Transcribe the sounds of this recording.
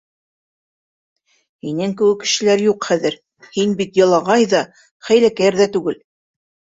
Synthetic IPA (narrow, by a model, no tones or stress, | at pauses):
hinɘŋkɘ̆wɘkːɘ̆ʃɘ̆læɾjuqχæðɘɾ | hinbit̪jɤ̆lˠɑʁɑjðɑ | χæjlækæɾðæt̪ʉɡɘl